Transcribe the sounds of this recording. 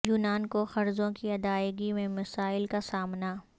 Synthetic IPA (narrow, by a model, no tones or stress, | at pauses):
juːnaːnkoxɐɾzõkiɐd̪aːjɡimẽmɐsaːɪlkasaːmna